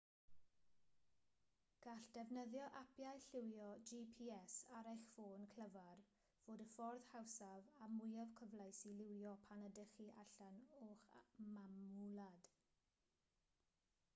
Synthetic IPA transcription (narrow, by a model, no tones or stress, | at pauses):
ɡ̥aɬd̥ɛvnəðjɔʔapʰjajɬɪwjɔd͡ʒipʰiɛsaɾajχfoːnkʰl̥əvar | v̥oːdəfɔrð̥hawsavamʊjavkʰəvlˠajsilɪwjɔpʰanədəχiʔa̰ɬanoːχmamulˠad̥